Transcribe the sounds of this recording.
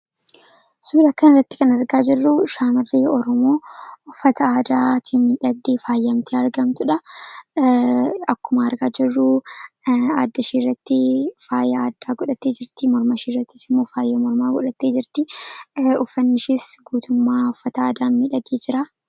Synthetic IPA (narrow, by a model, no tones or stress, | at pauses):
suːlɐkːɐnɪrːɐt̪ːɪ̥kɐnɐɾɡaːd͡ʒɪrːʊʃaːmɐrːiːɔɾɔmo̞ːʊfːɐt̪ɐaːd̪aːt̪ʰinmiᶑɐɡd̪eːfaːjːɐmt̪ʰeːɐɾɡɐmt̪ʊᶑɐ | ɐkːʊmɐɐɾɡaːd͡ʒɪrːʊ | aːd̪ːɐʃiːrːɐt̪ːɪfaːjɐaːd̪ːaːɡɔᶑɐt̪ːeːd͡ʒɪɾt̪ɪmɔɾmɐʃiːrːɐt̪ːɪ̥sɪmːoːfaːjːeːmɔɾmaːɡɔᶑɐt̪ːeːd͡ʒɪɾt̪ɪ | ʊfːɐnːɪʃiːsɡuːt̪ʊmːaːʊfːɐt̪ɐaːd̪aːnmiᶑɐɡeːd͡ʒɪɾaː